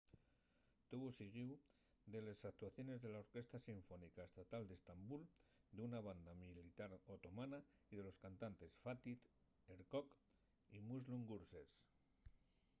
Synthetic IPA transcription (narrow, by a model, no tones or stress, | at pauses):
t̪uβosiɣiw | d̪e̞lesak̚t̪waθjo̞ne̞zðe̞lao̞ɾke̞st̪asiɱfo̞nikae̞st̪at̪ald̪est̪ambuld̪eunaβand̪amilit̪aɾot̪o̞mana | iðe̞lo̞skant̪ant̪e̞sfat̪it̪ | eɾkok | imuzluŋɡuɾses